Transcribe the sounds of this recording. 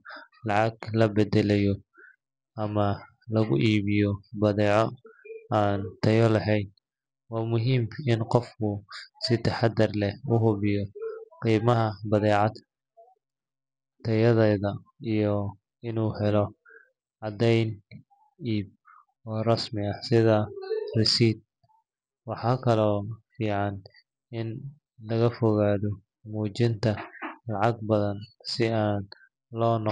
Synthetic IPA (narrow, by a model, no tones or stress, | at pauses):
lɑʕɑɡlɐbɛd̪ɛlɛjɔ | ɐmɐ | lɐɣʊʔiːβɪjɔbɐðɛːʕɔaːnt̪ʰɐjɔlɐɦɛjd̪ | wɑːmʊɦiːmɪnqɔfkʰʊsɪt̪ʰɐħɑd̪ɐrlɛhʊɦʊβɪjɔqiːmɐɦɐbɐðɛːʕɑd̪ | t̪ʰɐjɐðɛːðɐ | ijɔ | ɪnuːhɛlɔ | ʕɑd̪ɛjn | iːb̚ | ɔːrɐsmɪɐsɪðɐrɪsiːd̪̚ | wɑħɑːkʰɐlɔːfiːʕɑn | ɪn | lɐɣɐfɔɣaːðɔ | muːt͡ʃɪnt̪ʰɐlɑʕɑɡ̚bɐðɐnsɪaːn | lɔːnɔ